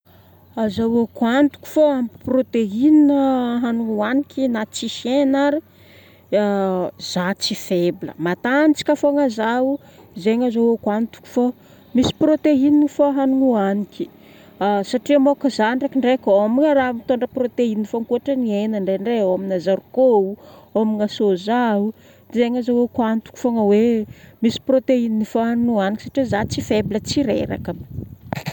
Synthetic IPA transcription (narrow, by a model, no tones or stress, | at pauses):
azawokuant̪u̥ku̥foamiprot̪eininəɦanuŋuanikʲinat͡siʃjenaɾi | z̥at͡sifeblə̰mat̪anit͡si̥kʲafoŋəzau | izeɲazawokant̪u̥ku̥fo | misi̥prot̪eininfoɦanuŋuanikʲi̥ | asaʈ͡ʂimokəzanɖ͡ʐekiɳɖ͡ʐekʲomiŋəɾamit̪oɳɖ͡ʐəprot̪einːifoŋkuaʈ͡ʂənienəɳɖ͡ʐeɳɖ͡ʐeaminazaɾukoomiŋəsozau | izeŋazowekwant̪u̥ku̥foŋəwemisi̥prot̪eininifoɦanunuanikʲisaʈ͡ʂizat͡sifebilət͡siɾḛɾa̰kə